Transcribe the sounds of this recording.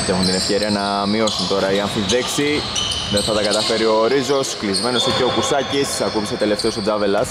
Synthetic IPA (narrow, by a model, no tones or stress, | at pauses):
t̪e̞xunt̪ine̞fçeɾiɐnɐ | mio̞sunt̪o̞ɾɐiɐnθizðeksi | ðenθɐt̪ɐkɐt̪ɐfe̞ɾio̞ɾizo̞sklizme̞no̞siceokusɐcissɐkupisot̪e̞le̞ft̪e̞osod͡zɐve̞lɐs